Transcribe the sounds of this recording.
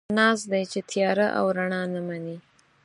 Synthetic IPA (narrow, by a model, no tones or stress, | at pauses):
nɑzd̪ajt͡ʃet̪ʰjɑɾaʔa̰wɾaɳɑnamani